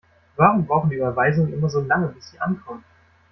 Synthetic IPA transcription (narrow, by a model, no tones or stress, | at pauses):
vaːʁʊmbʁaʊxn̩diːʔyːbɐvaɪzʊŋənʔɪmɐzoːlaŋəbisiːʔa̰nkʰɔmt